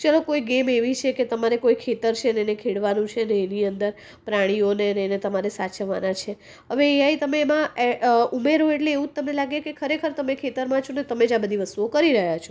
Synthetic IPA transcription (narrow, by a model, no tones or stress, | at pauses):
t͡ʃalokoiɡemeʋit͡ʃʰeket̪əmaɾekoikʰet̪əɾt͡ʃʰenenekʰeɽʋanũt͡ʃʰeneːniənd̪əɾ | pɾaɽ̃ioneənenet̪əmaɾesat͡ʃəʋanat͡ʃʰe | ɦəʋeːjait̪əmeːmãeumeɾɦoeʈleːʋũd͡ʒ̚t̪əmnelaɡekekʰəɾekʰəɾt̪əmekʰet̪əɾmãt͡ʃʰonet̪əmed͡ʒãbəd̪ʱiʋəst̪uokəɾiɾəɦjat͡ʃʰo̥